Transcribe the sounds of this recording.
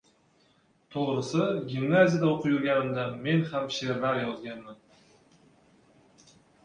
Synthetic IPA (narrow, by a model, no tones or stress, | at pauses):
t̪ʰoʁɾəsəɡʲimnazʲijad̪aoqʰəjuɾɡʲanɪmd̪ame̞nhamʃeɾbaɾjɒzɡʲanmɪn